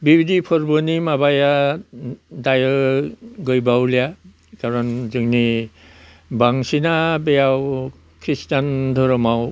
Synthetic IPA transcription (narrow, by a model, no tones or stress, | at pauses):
bibidipʰɔɾbɯnimabaja | dajɔ | ɡɯjbawlija | kaɾɔnzɯŋni | baŋsinabejaw | kʰɾistandʱɔɾɔmaw